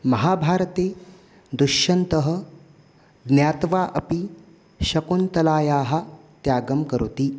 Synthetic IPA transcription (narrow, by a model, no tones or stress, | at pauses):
mɐɦaːbʱaːɾt̪eː | d̪uʃɐnt̪əɦə̆ | ɡ̪njaːt̪ʋaːʔɐ̰pi | ʃɐkont̪ɐlaːjaːɦɐt̪jaːɡɐmkəɾut̪iː